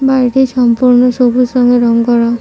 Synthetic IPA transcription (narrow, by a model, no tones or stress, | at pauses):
baɾʈesɔmpuɾnɔsobʱusɔŋɡeɾɔŋkɔɾɔ